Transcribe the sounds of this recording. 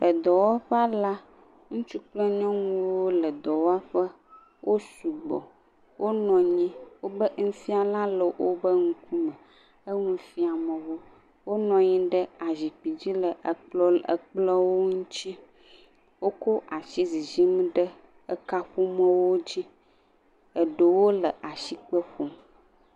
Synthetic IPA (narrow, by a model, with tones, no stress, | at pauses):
lə˨d̪ɔ˨wa˦ɸɛ˦a˦la˦ | ŋũ˦t͡ʃu˦k͡plɔ˦ɲɔ̃˦ŋũ˦wo˦lə˨d̪ɔ˨wo˦a˦ɸə˦ | wʔo˦su˨ɡ͡bɔ̰˨ | wʔo˦nɔ̃˨ɲĩ˦wo˦bə˦ŋ̩˦fi˦a˨lã˦lə˨wʔo˦bə˦ŋ̩˦ku˦mə̃˨ | ə˦ŋũ˦fi˦a˨mə̃˨wo˦ | wo˦nɔ̃˨ɲĩ˦ɖə˦a˨zi˨k͡pi˨d͡ʑi˦lə˨ʔk͡plɔ˦ə˨k͡plə˦wo˦ŋũ˦t͡ɕi˦ | wo˦ko˦ʔa˨ʃi˦zi˨zi˦m˦ɖə˦ | ə˦ka˦ɸu˦mɔ̃˦wo˦d͡ʑi˦ | ə˨ɖə˨wo˦lə˨ʔa˨ʃi˨k͡pə˦ɸo˨m